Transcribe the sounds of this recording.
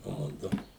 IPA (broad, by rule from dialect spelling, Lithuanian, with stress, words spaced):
ˈmʊdʊ